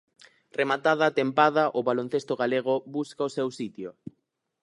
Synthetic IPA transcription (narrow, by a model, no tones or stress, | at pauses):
remat̪aðat̪empaðaʔʊβalon̟θest̪oɣaleɣ̞oβuskaosewsit̪jo